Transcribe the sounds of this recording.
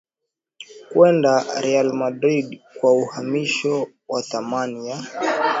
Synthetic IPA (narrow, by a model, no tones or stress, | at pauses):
kwɛndaɾɛalmadɾiɗkwauhamiʃɔ | waθamania